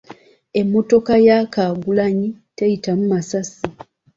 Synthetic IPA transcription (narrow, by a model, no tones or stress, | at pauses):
e̞mːo̞to̞kajakaːɡulaɲitejitamumasasi